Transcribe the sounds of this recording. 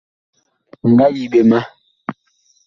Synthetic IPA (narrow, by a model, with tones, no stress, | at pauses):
ŋ̩˨ɡa˦ji˨ɓe˨ma˦